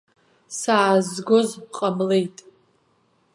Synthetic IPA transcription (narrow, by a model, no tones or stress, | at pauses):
saːzɡo̞zqʼamlejtʼ